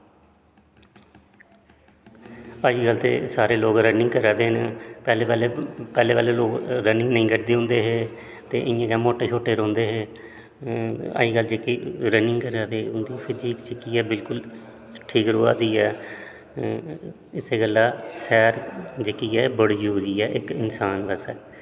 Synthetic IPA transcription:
aːd͡ʒiːɡəlt̪ḛːsaːɾeːloːɡɾənɪ̃ŋɡkəɾaːd̪eːnpɛːleːaːleːpɛːleːʋaːleːloːkɾənɪ̃ŋɡnəĩːɡəʈd̪eːõːnd̪eːɦeː | t̪ḛːʔɪãːkɛːmoːʈːeːt͡ʃʰoːʈeːɾõːnd̪eːɦeː | a̰ːiːɡəld͡ʒeːkiːɾənɪ̃ŋɡkəɾaːd̪eːʊnd̪iːpʰɪd͡ʒiːksɪkːiːɛːbɪlkʊl | ʈʰiːkɾoːaːd̪iːɛː | ɪseːɡəlaːsɛːɾd͡ʒeːkiːɛːbəɽiɦoːd͡ʒiːɛːʔɪkɪnsaːnbəsɛː

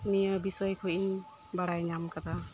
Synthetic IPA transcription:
miəbisɔjkʰɔjin | baɽajɲamkad̪a

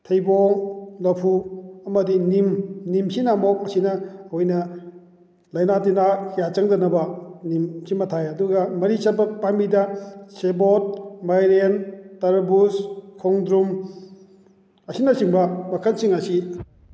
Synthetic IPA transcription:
tʰejboŋlɐpʰuɐmɐdinimnimsinamɔk̚ɐsinɐhojnɐ | lɐjnatinahʰijat͡ʃɐŋdɐnɐbɐnimsimɐtʰajɐduɡɐmɐɾisabɐk̚panmbidɐsebot̚majɾentɐɾbuskʰɔŋdɾum | ɐsinɐsiŋbɐmɐkʰɐlsiŋɐsi

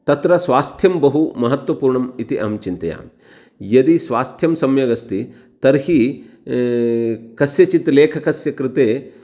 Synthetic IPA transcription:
t̪ɐt̪ɾɐsʋaːst̪ʰjɐmbɐɦumɐɦɐt̪ʋɐpuːɾɳɐmit̪iʔɐ̰mt͡ʃint̪ɐja̰ːm | jɐd̪isʋaːst̪ʰjɐmsɐmjɐɡɐst̪i | t̪ɐɾhi | kɐsjɐt͡ʃit̪leːkʰɐkɐsjɐkɾɪt̪eː

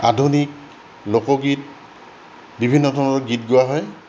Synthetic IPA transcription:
a̰dʱunik̚ | lokɔɡit̚ | bibʱinːɔdʱɔnɔɹɔɡitɡʊaɦɔj

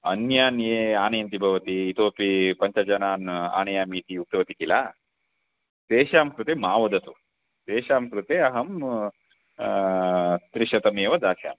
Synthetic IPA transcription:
ɐnjaːnjeːaːnɐjɐnt̪ibʱɐʋɐt̪iːt̪oːpipɐɲt͡ʃɐd͡ʒɐnaːna̰ːnɐjaːmiːt̪ijuk̚t̪ɐʋɐt̪ikilaː | t̪eːʃaːmkɾut̪eːmaːʋɐd̪ɐt̪u | t̪eːʃaːmkɾut̪eːɐɦɐm | t̪ɾiʃɐt̪ɐmeːʋɐd̪aːʃa̰ːm

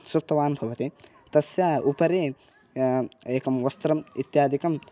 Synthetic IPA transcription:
sup̚t̪ɐʋaːnbʱɐʋɐt̪i | t̪ɐsjaːupɐɾeː | eːkɐmʋɐst̪ɾɐmit̪jaːd̪ikɐm

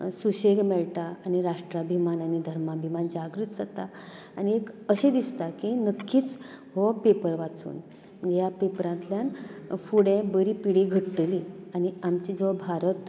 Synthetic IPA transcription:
suɕeɡmɛɭʈ̪aaniɾaʂʈɾabʱimananid̪ʱəɾmabʱimand͡ʑaɡɾit̪d͡zat̪aː | niekəɕẽd̪ist̪akinəkʰːiːt͡s | hɔpepəɾʋat͡sṵːn | japepɾãnt̪ljanfuɽẽbəɾiːpiɽiɡʱəʈʈlianiamt͡ɕid͡zəʋbʱaɾət̪

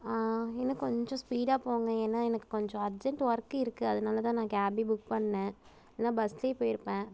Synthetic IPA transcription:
aːɛnːɐkɔɲd͡ʒɔ̃spiːɽaːpoːŋɡɐ̃eːnːaːɛnɐkːɯ̥kɔɲd͡ʒɔ̃ɐɾd͡ʒɛɳʈʋɐɾɐkːɯɪɾɯkːɯɐðɐnaːlɐt̪ãːnãːkaːbibʊk̚pɐɳːẽ | nːaːbɐsleːpoːjɪɾɯpːẽː

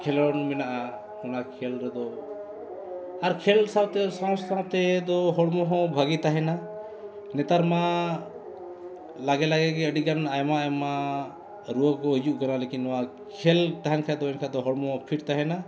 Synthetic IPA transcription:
kʰɛlɔnmɛnaʔa | hɔnakʰɛlɾɛd̪ɔ | aɾkʰɛlsawt̪ɛsɔ̃ssat̪ɛd̪ɔɦɔɽmɔɦɔ̃bʱaɡit̪aɦɛna | nɛt̪aɾma | laɡɛlaɡɛɡɛəɖiɡanajmaajma | ɾuəkɔɦid͡ʒuʔkanalekinːɔwa | kʰɛlt̪aɦɛnkʰad̪ɔɛnkʰad̪ɔɦɔɽmɔɦɔ̃pʰiʈt̪aɦɛna

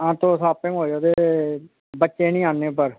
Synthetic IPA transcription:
ãːt̪õːsaːpɪ̃ŋɡɦoːd͡ʒoːt̪eː | bətːʃeːnĩːãːnːẽːp̬əɾ

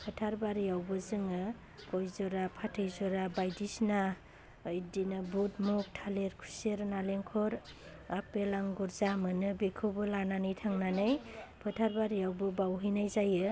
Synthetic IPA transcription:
pʰɯtʰaɾbaɾiawbɯzɯŋɯ | kɔjzɔɾapʰatʰɯjzɔɾabajdisna | ɯjdinɯbut̚muk̚tʰaleɾkʰuseɾnaleŋkʰɔɾ | apelaŋɡɔɾzamɯnɯbekʰɯbɯlananɯjtʰaŋnanɯjpʰɯtʰaɾbaɾijawbɯbawɦɯjnajzajɯ

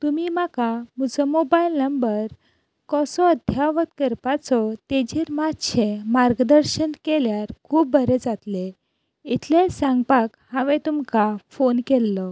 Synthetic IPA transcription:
t̪umimakamud͡zɔmobailnəmbəɾ | kɔsɔəd̪ʱjaʋət̪kəɾpat͡sɔt̪ed͡ʑiɾmad̪ɕʰemaɾɡd̪əɾɕənkeljaɾkʰuːp̚bʱəɾed͡zat̪le | it̪ʰlesãŋɡpakhaʋɛ̃t̪umkafonkɛlːɔ

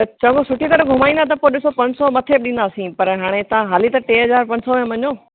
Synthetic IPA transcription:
t͡ɕɐ̃ŋɡosʊʈit̪ɐɽɡʱʊmaːĩnd̪at̪̬ɐpoɗɪsopɐ̃ɲsɔmɐt̪ʰebɗĩnd̪aːsĩpɐɾɦaːɽ̃et̪ɐʋãɦaːlit̪ɐʈeːɦɐzaːɾpɐ̃ɲsɔ̃mɐɲoː

